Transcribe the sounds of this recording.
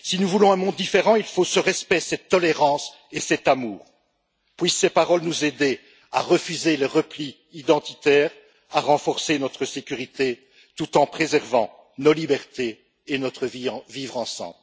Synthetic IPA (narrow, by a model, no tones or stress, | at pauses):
sinuvulɔ̃ɛ̃mɔ̃d̪ːifeʁɑ̃ilfosəʁɛspɛsɛt̪ːɔleʁɑ̃s | esɛt̪amuːʁ | pɥisːepaʁɔlnuzed̪e | a̰ʁəfyzeleʁəpli | id̪ɑ̃t̪i̥t̪ɛːʁ | aʁɑ̃fɔʁsenɔt̪χəsekʲyʁit̪e | t̪ut̪ɑ̃pχezɛʁvɑ̰̃ | nolibɛʁt̪eː | nɔt̪χəvĩvivʁɑ̃sɑ̰̃bl